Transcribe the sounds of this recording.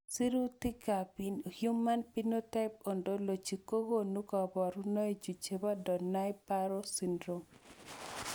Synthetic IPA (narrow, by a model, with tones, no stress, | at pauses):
si˦ɾu˦ti˦ka˨pi˨nu˨hju˦mːa˦npi˦no˦tɛ˦p̚o˨ndo˦lo˨t͡ʃi˨ko˦ɡo˦nu˦kɔ˨bɔ˨ɾu˦nɔ˦e˦d͡ʒu˨t͡ʃe˨ba˦dɔ˨na˦jpa˦ɾo˦si˨ndɾo˨ŋ